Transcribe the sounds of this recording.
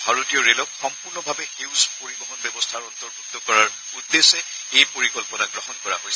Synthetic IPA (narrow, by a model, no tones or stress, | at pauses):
bʱaɹotijɔɹelɔkxɔmpuɹnɔbʱabɛxewspoɹibɔɦɔnbɛbɔstʰaɹɔntɔɹbud̪ʱːɔkɔɹaɹ | udːesɛ | ejpoɹikɔlpɔnaɡɹɔɦɔnkɔɹa̰ɦojs